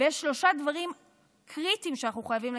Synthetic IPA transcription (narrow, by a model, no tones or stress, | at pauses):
ejeʃːlo̞ʃad̪vaʁim | kʰʁit̪imʃeanaχuχojaviml